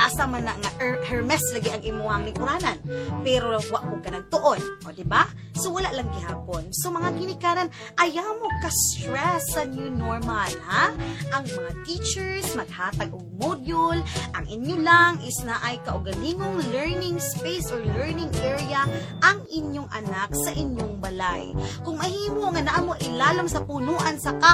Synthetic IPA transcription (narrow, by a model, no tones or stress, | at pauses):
asamanaŋaʔɛhɛɹmɛslɐɡɪʔɐŋʔɪmuaŋlɪŋk̪ʊɾaːnɐnpɛɾowaʔkokɐnaŋt̪ʊʔonʔod̪ɪba | sowɐlaʔlaŋɡɪhaːponsomɐŋaɡɪnɪkaːnɐn | ʔɐjamokɐst̪ɾɛsɐnjʊnoɹmalhaʔɐŋmɐŋat̪it͡ʃɛɹsmɐɡ̚haːt̪ɐɡ̚oɡ̚mod̪jolʔɐŋʔɪɲjolaŋʔɪsnaʔɐjkɐʔoɡɐliŋoŋlɛɹnɪŋspejsʔoɹlɛɹnɪŋʔɛɹiɐ | ʔɐŋʔɪnjoŋʔɐ̰naksɐʔɪɲjoŋbɐla̰jkʊŋmɐhiːmoŋɐnaʔamoʔɪlaːloŋsɐpunoːʔɐnsɐka